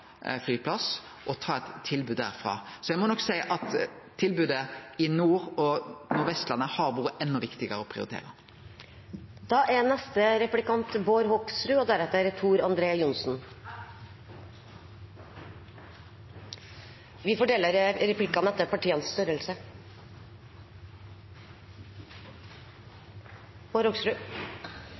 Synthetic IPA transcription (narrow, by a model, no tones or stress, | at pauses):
flyːpʰlɑs | ʔɔt̪ʰɑːɛt̪ʰːɪlbʉːd̪æ̰ːʁfʁɑ̰ːsɔjæɪmɔnɔksæɪʔɑt̪ʰː | ɪlbʉːd̪əɪnuːʁɔnʊɾʋɛst̪lɑnːəhɑʁʋuːɾəɛnːɔʋɪkt̪ɪɡəʁəɔpʰʁɪʊɾɪt̪ḛːʁə | d̪̥ɑːʔæɾnɛst̪əɾɛplɪkɑnt̪boːɾɦɔksɾʉːɔd̪æɾɛt̪ːəɾɛt̪ʰuːɾɑnd̪ɾeːəjʊnsn | ʋɪfɔʈɛːlːəɾɾɛpʰlɪkːɑnɛt̪ːəpʰɑʈiːənsst̪œɾəlsə | boːɾhɔɡsɾʉː